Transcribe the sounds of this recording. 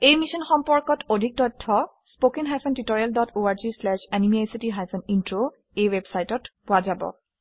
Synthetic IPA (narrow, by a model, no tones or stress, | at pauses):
ejmiʃɔnxɔmpɔɹkɔtʰodʱik̚tɔtʰːɔspokinɦajsʰɔntitoɹialdɔtʰoaɹzislɛʃɛnimiajsitiɦajsʰɔnintɹo | ejwebsajtɔtpʊazabɔ̰